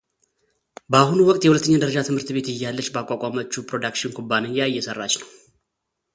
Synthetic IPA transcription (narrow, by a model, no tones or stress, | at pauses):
bəahunuwɔkʼt̪jɛhulət̪ːəɲːad̪əɾəd͡ʒat̪ʰɨmhɨɾt̪be̞t̪ɨjːalːət͡ʃːbəakʷʼakʼamət͡ʃːupʰɾo̞d̪akʃɪnɡʰʼubːaneɲjajːɛsərːat͡ʃːnəw